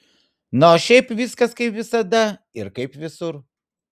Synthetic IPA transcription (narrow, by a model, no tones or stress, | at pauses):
noːʃʲɛɪpʋʲiskɐskɐɪpʋʲɪsɐd̪ɐ | ɪɾkɐɪpʋʲɪsʊɾ